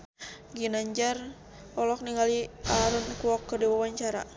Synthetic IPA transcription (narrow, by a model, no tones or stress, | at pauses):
ɡinaɲd͡ʒar | ɔlɔk̚niŋɡaliaɾunkuɔkːərdiwawaɲt͡ʃaɾa̰